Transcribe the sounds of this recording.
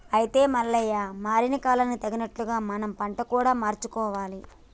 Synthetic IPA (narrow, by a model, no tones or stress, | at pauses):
ɐjit̪e̞ːmɐlːɐjːaːmaːɾinɐkaːlɐnːut̪ɐɡinɐʈluɡaːmɐnɐmpɐɳʈɐkuːɽaːmaːɾt͡ʃukɔːʋaːli